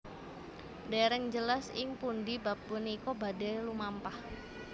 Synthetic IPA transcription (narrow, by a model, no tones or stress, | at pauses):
dɛɾɛŋd͡ʒəlasɪŋpundibap̚buniːkobadɛlumampah